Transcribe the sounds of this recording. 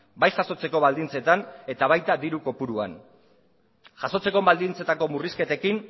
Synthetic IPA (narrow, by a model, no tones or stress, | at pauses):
bajʝaso̞t͡se̞ko̞βald̪int͡se̞t̪ane̞t̪aβ̞ajt̪ad̪iɾuko̞puɾua̰n | ʝaso̞t͡se̞ko̞βald̪int͡se̞t̪ako̞muriske̞t̪e̞kin